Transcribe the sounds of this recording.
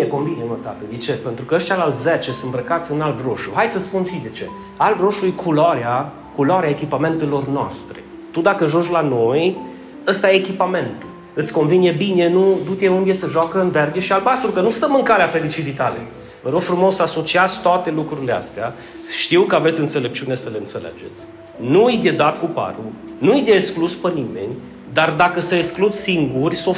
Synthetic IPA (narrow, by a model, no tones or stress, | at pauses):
eko̞nvinjemət̪a̰t̪əd̪et͡ʃe̞pe̞nt̪ɾukəəʃt̪ʲalalt̪ʲzet͡ʃesɨnt̪bɾəkat̪sʲɨnalb̪ɾoʃuhajsəspunfid̪et͡ʃe̞ | ald̪ɾo̞ʃulujkʰulaɾea | kulaɾeaekʲipame̞nt̪elo̞rnoa̰st̪ɾḛ | t̪ud̪akəʒund͡ʒʲlano̞j | əst̪ajeːkʲipame̞nt̪u | ɨt̪sʲko̞nvinjebine̞nud̪ut̪ʲeund̪esəʒoakəɨnverɡeʃialbast̪ɾukənust̪əmɨŋkaleafe̞ɾit͡ʃivit̪alḛ | vəɾoɡfɾumo̞saso̞t͡ʃiat̪sʲt̪oat̪e̞lukɾuɾilea̰st̪ea | ʃt̪iwkəave̞t̪sʲɨnt̪se̞le̞p̚t͡ʃiune̞səle̞ɨnt̪se̞lḛd͡ʒe̞̰t̪sʲ | nuɨjd̪ed̪at̪̚kupa̰ɾu | nuɨjd̪ʲeːkskluspənime̞̰nʲ | d̪ard̪akəseesklud̪siŋɡurʲso